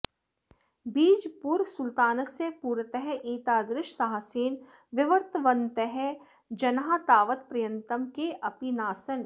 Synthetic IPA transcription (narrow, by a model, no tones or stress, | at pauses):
biːd͡ʒpuɾsʊlt̪aːnəsjəpuːɾət̪əɦɛʔiːt̪aːd̪ɾɪʃsaɦasiːn | ʋɪʋəɾt̪əʋənt̪əɦɛ | d͡ʒɐnɦat̪aːʋət̪̚pɾɐjə̃nt̪əmkeʔɐpinaːsən